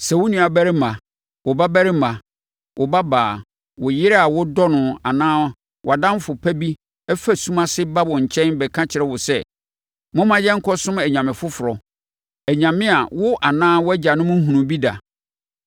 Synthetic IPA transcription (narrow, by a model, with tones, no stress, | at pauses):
sɛ˨wʊ˦nũ˨a˨bæ˦ɾɪ˦mã˨ | wʊ˨ba˦bæ˦ɾɪ˦mã˨ | wʔʊ˨ba˦baː˨ | wʊ˨jɪ˦ɾa˨wʊ˦dɔ˦nʊ̃˨a˨nãː˦ | wʊ˨a˨dã˦m˦fʊ˨pʰæ˦bi˦ | ɛ˦fæ˦˨sũ˦mã˦sɪ˦ba˦bɔ˨ɲ̩˨t͡ɕʰɛ̃˦nbɛ˨kʰã˦t͡ɕʰɪ˨ɾɛ˦˨wʊ˨sɛ˦˨ | mʊ̃˦mã˦jɛ̃˦ŋ̩˦kʰɔ˦sʊ̃˦mɛ˨ɲã˨mɪ̃˨fʊ˦fʊ˨ɾɔ˨ | æ˨ɲã˨mɪ̃˦a˨wʊ˦ʔa˨nãː˦wʊ˦æ˦d͡ʑa˨nʊ̃˦mʊ̃˦ɦũ˨nũ˨bi˦da̰˨